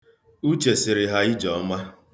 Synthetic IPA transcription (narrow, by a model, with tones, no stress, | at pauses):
u˦t͡ʃe˨sɪ˨ɾɪ˨ɦa˦i˦d͡ʒɔ˨˦ma˦